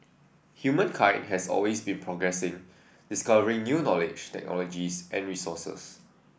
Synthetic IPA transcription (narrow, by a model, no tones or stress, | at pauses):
hjumə̃nkʰãɪ̃ndɦɛsɔ̰lwesbĩnpʰɹɔɡɹɛsɪ̃ŋ | diskavəɹɪ̃ŋnjunɔlɪd͡ʒtɛ̰k̚nɔ̰lɔd͡ʒisʔɛ̰̃nɹisɔsə̰s